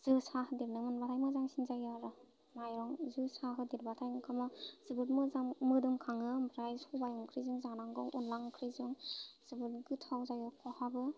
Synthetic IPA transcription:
z̥ɯsahɯdiɾnɯmɯnbatʰajmɯzaŋsinzajaɾɯ | majɾɔŋzɯsaɦɯdiɾbatʰajkʰamɔz̥ɯbɯt̚mɯzaŋmɯdɯŋkʰaŋɯbɾajsɔbajɔŋkʰɾizɯŋzaŋnaŋɡɔŋunlaŋkʰɾizɯŋz̥ɯbɯt̚ɡɯtʰawzajɔkʰɔhabɯ

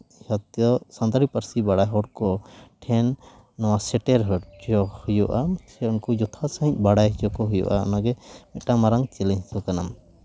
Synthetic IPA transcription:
hɔt̪jɔsand̪aɾipaɾsibaɽajɦɔɽ̚kɔʈʰɛnː | ɔwasɛʈɛɾɦɔd͡ʒɔhujɔʔasɛunkɔd͡ʒɔt̪ʰasaɦĩɲ̚ˀbaɽajɦd͡ʒɔkɔɦujɔ̰ʔaɔ̰naɡɛmɛʈamaɾaŋt͡ʃɛlɛɦsɔkanam

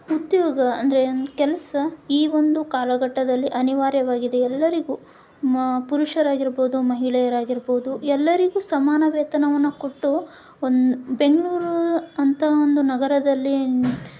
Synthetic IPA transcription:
ud̪jɔːɡɐɐnd̪ɐɾekɛlɐsɐiːʋo̞nd̪ukaːlɐɡɐʈːɐd̪ɐlːiʔɐniʋaːɾjɐʋaːɡid̪e̞ɛlːɐɾiɡu | puɾuʂɐɾaːɡiɾboːd̪umɐɦiɭɛjɐɾaːɡiɾboːd̪uɛlːɐɾiɡuːsɐmaːnɐʋɛːt̪ɐnɐʋɐnːuko̞ʈːu | ondube̞ŋɡɐɭuːɾuɐnt̪ɐɦɐo̞nd̪unɐɡɐɾɐd̪ɐlːi

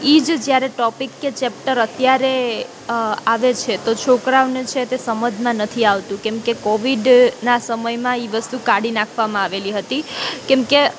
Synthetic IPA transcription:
id͡ʒd͡ʒjaɾeʈɔpikːet͡ʃɛp̚ʈəɾət̪jaɾe | aʋet͡ʃʰet̪ot͡ʃʰokɾaʋnet͡ʃʰet̪esəməd͡ʒʱmãnət̪ʰiaʋt̪ũkɛ̃mkekɔʋiɖnasəməjmãiʋəst̪ukaɽinakʰʋamãaʋeliɦət̪ikɛ̃mke

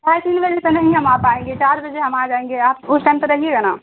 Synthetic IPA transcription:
baːjʈiːlbəd͡ʒesenɐɦĩɦɐmaːpaẽŋɡet͡ʃaːɾbɐd͡ʒeɦɐmaːd͡ʒaːẽːŋɡeaːp̚ʊsʰʈɛ̃mpəɾɐɦieɡanaː

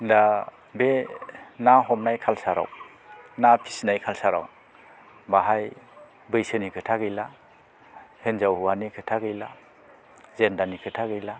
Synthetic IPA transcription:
nda | benaɦɔmnajkʰalsaɾa̰w | napʰi̥snajkʰalsaɾa̰w | baɦaj | bɯjsɯnikʰɯtʰaɡɯjla | henzawhuwanikʰɯtʰaɡɯjla | zendanikʰɯtʰaɡɯjla

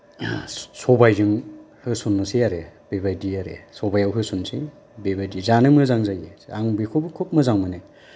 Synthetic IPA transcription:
sɔbajzɯŋ | hɯsunːusiaɾeb̥ebajdiaɾḛsɔbajawɦɯsunsḭ | bebajdizanɯmɯzaŋzajiaŋbikʰobɯkʰop̚mɯzaŋmɯnɯ

